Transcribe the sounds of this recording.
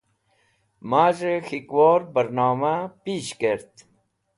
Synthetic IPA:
maːʒexikwoːɾbəɾnɑːmapiːʃkeɾt̪

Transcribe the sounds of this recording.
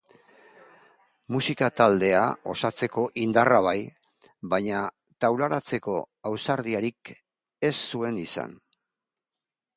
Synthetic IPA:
musikat̪ald̪e̞a̰o̞sat͡se̞ko̞ʔind̪araβ̞aj | βaɲa | t̪awlaɾat͡se̞ko̞ | awsaɾðiaɾik | e̞sːue̞nisa̰n

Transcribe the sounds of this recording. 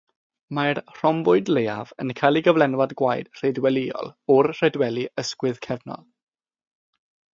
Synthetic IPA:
marr̥ɔmbʊɨdleja̰və̰nkʰajlˠiɡəvlɛnwadɡwajd̥r̥edwɛliɔ̰lˠɔrr̥ɛdwɛlˠiəskwɪðkʰɛvnɔ̰lˠ

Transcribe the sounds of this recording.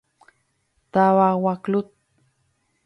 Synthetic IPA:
t̪awawaklut̪̚

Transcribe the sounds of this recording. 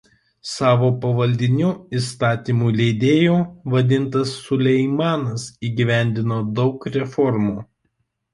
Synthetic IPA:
sɑːʋoːpɐʋɐlʲd̪ʲɪnʲʊist̪ɑːt̪ʲiːmuːlʲeɪd̪ʲeːjoːʋɐd̪ʲɪnˑt̪ɐsːʊlʲɛɪmɑːnɐsiːɡʲɪʋʲæˑnʲd̪ʲɪnoːd̪ɒʊkɾʲɛfɔɾmuː

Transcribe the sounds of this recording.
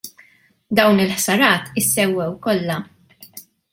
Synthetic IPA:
d̪ɐwnɪlħsɐɾɐːt̪ɪsːɛwːɛwkɔlːɐ

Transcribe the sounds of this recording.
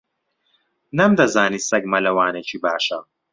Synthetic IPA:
nɐmd̪ɐzaːnisɐɡmɐlɐwaːnɛt͡ʃʰibaːʃɐ

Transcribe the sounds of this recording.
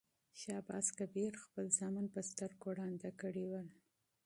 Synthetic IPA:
ʃɑbɑ̰skabeɾxpəlzɑmanpəst̪əɾkoɽɑnd̪akəɽewəl

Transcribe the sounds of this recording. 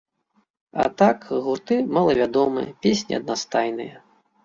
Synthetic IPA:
a̰t̪akɣurt̪ɨmalˠɐvʲad̪ɔmɨ̰jɛpʲesʲnʲḭɐd̪̚nast̪ajnɨjɛ

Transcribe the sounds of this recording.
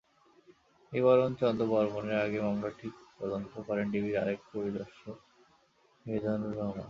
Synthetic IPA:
ebɔɾont͡ɕɔnd̪obɔɾmoneɾaɡemamlaʈʰikp̪ɔd̪ont̪okɔɾenɖibʱiɾaɾek̚poɾid̪ɔɾʃo | ibed̪ʱanuɾɔɦma̰

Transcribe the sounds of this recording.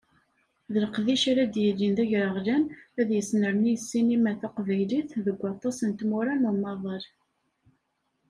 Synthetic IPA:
ðəlqðiʃaɾæd̪jəlːinðæʝɾəʁlænæðjəsnəɾnijəsːinimæθæqvæjliθðəɡʷːɑt̪ˤːɑsənt̪mʊɾænʊɾmɑðˤəɾ

